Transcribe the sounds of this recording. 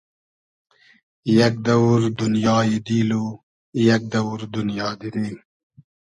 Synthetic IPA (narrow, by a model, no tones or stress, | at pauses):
jɐk̚d̪ɐwɾd̪unjɑːjid̪iːlu | jɐk̚d̪ɐwɾd̪unjɑːd̪iɾiːm